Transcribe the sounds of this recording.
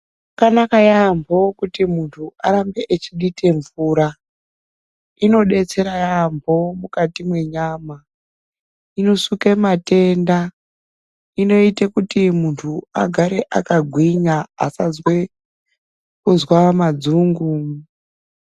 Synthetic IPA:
kanakajambʱo̞kutimuntʰuʔaɾambe̞ʔet͡ʃiɗitʰe̞ɱvuːɾa | ino̞ɗe̞t͡se̞ɾajambʱo̞mukatimwe̞ɲaːma | ino̞sukemate̞nda | ino̞itekutimuntʰuaɡʱaɾe̞ʔakaɡʱwiɲaa̰sazwe | kuzwamad͡zuːŋɡu

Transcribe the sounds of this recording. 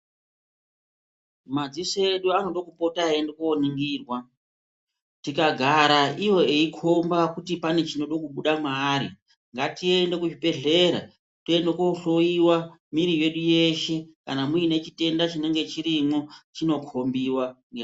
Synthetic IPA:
mad͡zise̞ɗuano̞ɗo̞kupo̞taendekoniŋɡiːrwa | tikaɡʱaɾaijo̞eikʰo̞mbakutipane̞t͡ʃino̞ɗo̞kuɓuɗamaːɾḭ | ŋɡatiende̞kuʐibe̞ɮe̞ɾa̰ | tue̞ndekoɬo̞iwamiɾije̞ɗuje̞ʃe̞kanamuine̞t͡ʃite̞ndat͡ʃine̞ŋɡe̞t͡ʃiɾimot͡ʃino̞kʰo̞mbiwaŋɡe

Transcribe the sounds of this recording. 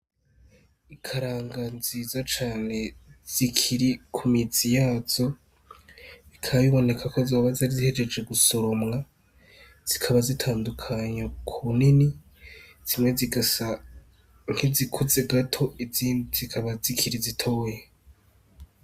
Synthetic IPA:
ikʰaɾaːŋɡaziːzat͡ʃaːne̞z̥ikʰiɾikʰumiz̥ijaːz̥o̞ | ikʰaβiβo̞ne̞kʰakozoːβazaɾizihe̞d͡ʒe̞d͡ʒe̞ɡuso̞ɾo̞mŋa | z̥ikʰaβazitʰaːndukʰaɲakʰuunini | z̥imŋe̞ziɡasa | ŋhizikʰuze̞ɡatʰo̞ʔiziːndizikʰaβazikʰiɾizitʰo̞ːje

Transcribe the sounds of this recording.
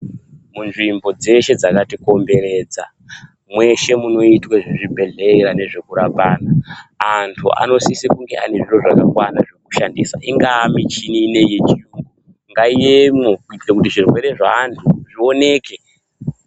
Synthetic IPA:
munʐimbo̞d͡ze̞ʃe̞d͡zakatiko̞mbe̞ɾe̞ːd͡za | mwe̞ʃe̞muno̞itweʐiʐibʱe̞ɮe̞ɾane̞ʐe̞kuɾapaːnaːantʰṵa̰no̞sisikuŋɡe̞ʔane̞ʐiro̞ʐakakwanaʐe̞kuʃandḭsa̰iŋɡaːmit͡ʃiniːne̞jet͡ʃiuːŋɡo | ŋɡaiemoekutiʐirwe̞ɾe̞ʐaːntʰuʐio̞ne̞ːke̞

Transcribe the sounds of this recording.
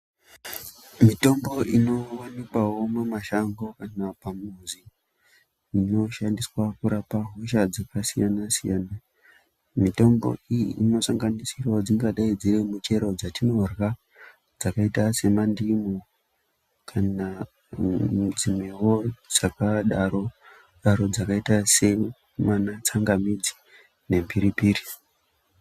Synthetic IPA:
mito̞mbo̞ʔino̞wanikwawo̞mumaʃaŋɡo̞kanapamuzi | no̞ʃandiswakuɾapaɦoʃad͡zakasijanasijaːna | mito̞mbo̞̰ijḭʔːno̞saŋɡanisirwaod͡ziŋɡaɗaid͡ziremut͡ʃe̞ɾo̞d͡zatino̞rɣa | d͡zakaitase̞mandimo | kʰana | d͡zimewo̞d͡zakaɗaro | ɗaɾo̞d͡zakaitase̞ | manat͡saŋɡamid͡zi̥ | ne̞mbiɾipiːri

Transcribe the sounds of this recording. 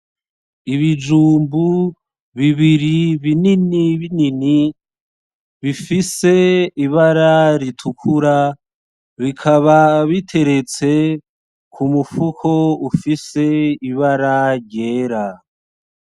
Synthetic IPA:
iβid͡ʒuːmbu | βiβiɾiβininiβinini | βifise̞iβaɾaɾitʰukʰuɾa | βikʰaβaβitʰe̞ɾe̞t͡se̞ | kʰumufukʰo̞ufise̞iβaɾaɾje̞ːɾa

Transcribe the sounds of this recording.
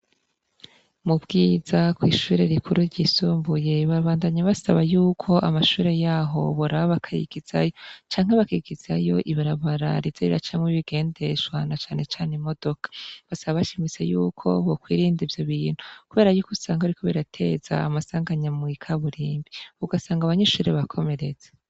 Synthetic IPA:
mubɡiːzakwiːʃuɾeɾikʰuɾuɾɟiːsuːmbuje̞βaβaːndaɲaβasaβajuːkʰo̞ʔamaʃuːɾe̞jaːɦo̞̰βoɾaβoβakʰajḭɡ̥iz̥a̰jo̞t͡ʃaːŋhe̞βakiɡiz̥ajo̞ʔiβiɾaβaɾa̰ɾizeɾḭɾa̰t͡ʃamŋiβiɡe̞ːnde̞ʃwanat͡ʃaːne̞t͡ʃaːnemo̞d̥o̞kḁβasaβaβaʃimit͡sḛjuːkʰo̞βokwiːɾiːndivjoβiːn̥hukuβe̞ːɾajuːkusaːŋɡaɾikʰoβiɾatʰe̞za̰ːmasaːŋɡaɲamwikʰaβuɾiːmbiuɡasaːŋɡaβaɲeʃuːɾe̞βakʰo̞me̞ɾez̥ḁ

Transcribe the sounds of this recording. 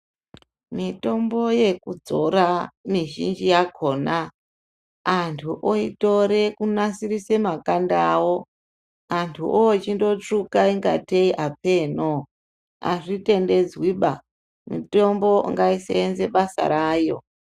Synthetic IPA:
mito̞mbo̞je̞kud͡zo̞ɾamiʒḭnd͡ʒijakʰo̞ːna | antʰuʔoito̞ɾe̞kunasiɾise̞makandawo | antʰuʔot͡ʃindo̞t͡ʂukaiŋɡa̰teiʔape̞no | a̰ʐite̞nde̞d͡zwiɓa | mito̞mbo̞ŋɡaisḛenze̞ɓasa̰ɾaːjo̞̰

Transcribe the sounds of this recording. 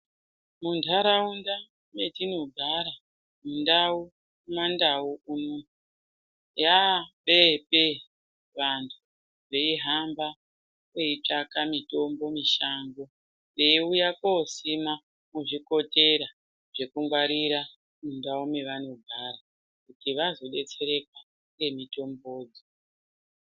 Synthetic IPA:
muntʰaɾaunda | me̞tinoɡʱaɾa | mundau | umandauuno | jaɓepe | ʋantʰu | ʐe̞iɦamba | weit͡ʂakamito̞mbo̞miʃaŋɡo̞ | ndeiujakosima | muʐiko̞te̞ɾa | ʐe̞kuŋɡwaɾiɾa | mundaumeʋano̞ɡʱara | kutiʋazo̞ɗe̞t͡se̞ɾe̞kwa | ŋɡe̞mito̞mbo̞ːd͡zi

